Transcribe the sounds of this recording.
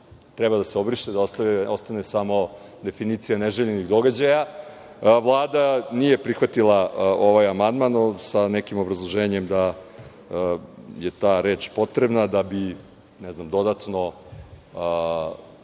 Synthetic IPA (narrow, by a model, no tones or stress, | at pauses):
t̪ɾɛbad̪aseobɾiʃt̪ed̪aost̪aost̪anesamo̞ | d̪e̞finit̪sijaneʒeʎeniɣd̪o̞ɡad͡ʑaja | ʋlˠaːd̪anije̞pɾixʋat̪ilˠao̞ʋajamand̪manosanɛkimo̞bɾazlˠoʒeːɲemd̪a | jet̪aːɾeːt͡ʃpo̞t̪ɾebnad̪abi | nɛznamd̪o̞d̪at̪no̞ | ə